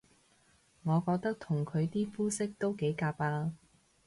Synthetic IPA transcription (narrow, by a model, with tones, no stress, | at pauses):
ŋɔː˨˧kɔː˧k̚t̪ɐ˥k̚t̪ʰʊ˨˩ŋkʰɵ˨˧ɥt̪iː˥fuː˥sɪ˥k̚t̪o˥wke˨˥jkaː˧paː˧